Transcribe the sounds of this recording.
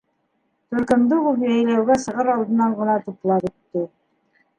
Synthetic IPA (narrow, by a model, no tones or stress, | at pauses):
t̪ɵ̆ɾkɘ̆md̪ɘbupjæjlæwɡæsɤ̆ʁɤɾɑlˠd̪ɤ̆nɑɴɢɤ̆nɑt̪up̪lˠɑpɵ̆t̪ːɘ